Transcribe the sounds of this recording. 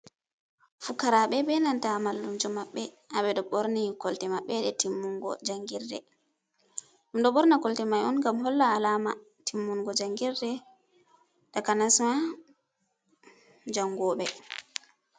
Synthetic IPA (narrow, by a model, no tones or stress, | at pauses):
fukːaɾaɓɛbɛnantamalːumd͡ʒɔmaɓːɛ | ʔaɓɛɗɔɓɔɾnikɔltɛmaɓːɛɗɛtimːuŋɡɔ̰d͡ʒaŋɡiɾdɛ̰ | umɗɔɓɔɾnakɔltɛmajɔnɡamɦɔlːaːlaːma | tʰimːuŋɡɔd͡ʒaŋɡiɾdɛ | dakanasma | d͡ʒaŋɡɔːɓɛ